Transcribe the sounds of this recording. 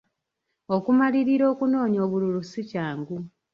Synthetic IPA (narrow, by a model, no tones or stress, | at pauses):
o̞kumaliɾiɾo̞ːkuno̞ːɲoːβululusicaːŋɡu